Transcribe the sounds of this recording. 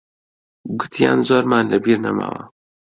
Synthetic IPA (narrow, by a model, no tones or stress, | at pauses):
ɡʊt̪ʰija̰ːnzoːɾmaːnlɐbiːɾnɐ̰ma̰ːwɐ̰